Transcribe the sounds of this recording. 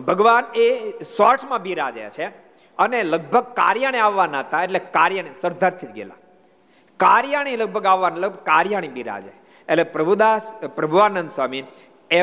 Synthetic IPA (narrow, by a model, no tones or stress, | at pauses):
bʱəɡʋanesɔɾʈʰmãbiɾad͡ʒa̰a̰t͡ʃʰe | əneləɡ̚bʱəɡ̚ka̰ɾjaɽ̃iaʋːanaɦət̪ãeʈlekaɾjəɳ̃isəɾd̪ʱəɾt̪ʰid͡ʒ̪ɡḛla̰ | kaɾjaɽ̃iləɡ̚bʱəɡaʋːanaləɡbəɡ̚kaɾjaɽ̃ibiɾa̰d͡ʒḛ | eʈlepɾəbud̪aspɾɐbʱuʋanənd̪sʋami | e